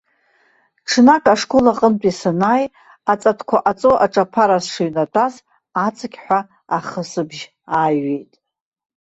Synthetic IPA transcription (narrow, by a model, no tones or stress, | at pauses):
ʈ͡ʂʰnakʼaʂkʷolaqʼəntʼisanaj | at͡sʼatʰkʷʰaʔat͡sʼoʔaʈ͡ʂʼapʰaɾazʂɨɥnadʷʼaz | at͡sʼɨkʲħʷa | aχəsɨbʒ | aːɥe̞jtʼ